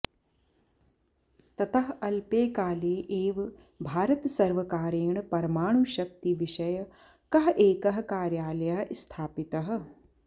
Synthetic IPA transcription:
t̪ɐt̪ɐɦɐlpeːkaːleːʔeːʋ | bʱaːɾɐt̪sɐɾʋɐkaːɾeːɳ̃pɐɾɐmaːɽ̃uʃɐk̚t̪iʋɪʃɐj | kɐɦʔeːkɐɦɐ̆kaːɾjaːlɐjɐɦst̪ʰaːpit̪ɐɦɐ̆

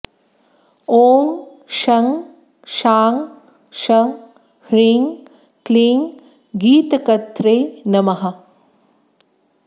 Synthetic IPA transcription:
oːŋ | ʃɐŋ | ʃaːŋ | ʃɐŋ | hɾiːŋ | kliːŋ | ɡiːt̪ɐkɐt̪ɾeːnɐmɐɦɐ̆

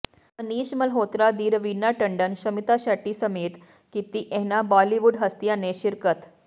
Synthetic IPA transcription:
əniːɕməlɦot̪ɾad̪iːɾʋinːaʈəɳɖənɕəmit̪aɕaʈiːsəmeːt̪ | kit̪iːʔeɦnabɔliʋuːɖɦəst̪ijaneɕiɾkət̪

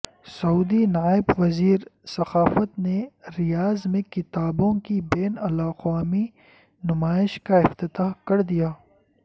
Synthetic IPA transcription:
sɐuːd̪inaːɪbʋɐziːɾsɐxaːfət̪neɾɪjaːzmẽkɪt̪aːbõkibeːnɐlaːqwaːmi | nʊmaːɪʃkaɪft̪ɪt̪aːɦkɐɾd̪ijaː

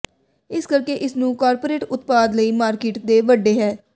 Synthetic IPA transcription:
ɪskəɾkeːʔɪsnũːkaːɾpoːɾeːʈʊt̪paːd̪ləiːmaːɾkeːʈd̪eːʋəɖːeːɦɛː

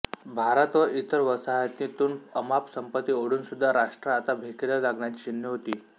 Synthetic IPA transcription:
bʱaɾət̪ʋəʔit̪əɾʋəsajət̪nit̪uːnəmapsəmpət̪ːiːoɽuːnsud̪ʱːaɾaʂʈɾəat̪abʱekelalaɡɳjat͡ɕiːt͡ɕinjəɦot̪iː

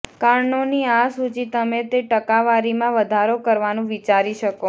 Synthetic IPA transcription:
kaɾɳoniasut͡ʃit̪əmet̪eʈəkaʋaɾimãʋəd̪ʱaɾokəɾʋanũʋit͡ʃaɾiʃəko

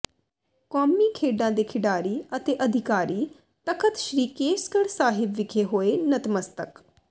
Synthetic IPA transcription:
kɔːmiːkʰeːɖãːd̪eːkʰɪɖaːɾiːət̪eːʔəd̪ʱɪkaːɾiː | t̪əkʰət̪ʃɾiːkeːskəɽsaːɦɪbʋɪkʰeːɦoːeːnət̪məst̪ək

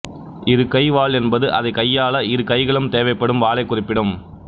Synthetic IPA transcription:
ɪðɯkɐɪʋaːɭɛnbɐðɯʔɐðɐɪkɐjːaːɭɐɪðɯkɐɪɣɐɭɯmt̪eːʋɐɪpːɐɽɯmʋaːɭɐɪkːʊrɪpːɪɽɯm

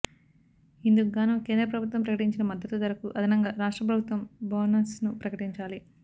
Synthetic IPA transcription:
ind̪uɡaːnɐke̞ːnd̪ɾɐp̬ɾɐbʱut̪wʋɐmpɾɐkɐʈiɲt͡ʃinɐmɐd̪ːɐt̪ud̪ɐɾɐkuʔɐd̪ʱɐnɐŋɡaɾaːʂʈɾɐpɾɐbʱut̪ʋɐmboːnɐsnupɾɐkɐʈiɲt͡ʃaːli

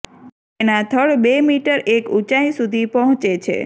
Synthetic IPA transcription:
enat̪ʰəɭbemiʈəɾʔekut͡ʃaĩsud̪ʱipəɦɔ̃t͡ʃet͡ʃʰḛ

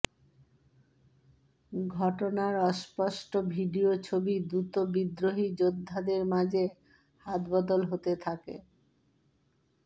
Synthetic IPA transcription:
ɡʱɔʈonaɾɔʃpɔʃʈobʱiɖiot͡ɕʰobid̪ɾut̪obid̪ɾoɦid͡ʑod̪ʱːad̪eɾmad͡ʑe | hat̪bɔd̪olɦot̪et̪ʰakḛ

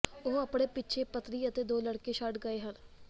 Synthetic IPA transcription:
ʊɦəpɽ̃eːpɪtːt͡ʃʰeːpət̪ɾiːət̪eːd̪oːləɽkeːʃəʈɡəeːɦən

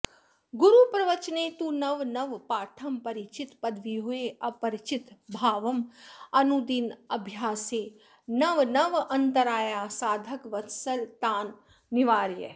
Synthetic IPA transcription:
ɡuɾupɾɐʋɐt͡ʃneːt̪uːnɐʋnɐʋpaːʈʰɐmpɐɾit͡ʃɪt̪pɐd̪ʋiɦoeɐpɐɾɪt͡ʃɪt̪bʱaːʋɐmɐnud̪inɐbʱjaːseː | nɐʋnɐʋɐ̃nt̪ɐɾaːjaːsaːd̪ʱɐkʋɐt̪sɐlt̪aːnː | iʋaːɾjə̰

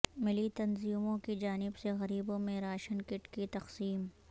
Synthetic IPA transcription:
mɪlit̪ɐnziːmõkid͡ʒaːnɪbseɣɐɾiːbõmẽɾaːʃənkɪʈkit̪ɐqsiːm

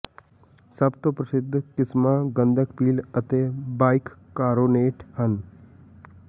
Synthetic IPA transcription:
səbt̪opɾəsɪd̪ʱːkɪsmaɡə̃nd̪ʱəkpiːlət̪eːbaːɪkː | kaːɾoːneːʈhən

